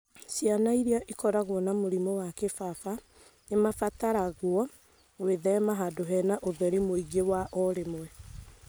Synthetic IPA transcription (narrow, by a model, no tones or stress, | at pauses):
sianaiɾiaʔikɔɾaɣwɔnamoɾimɔwakefafa | nemafataɾaɣwɔ | ɣweðɛmaɦadoɦɛnaʔoðɛɾimoiɡewaʔɔɾemwɛ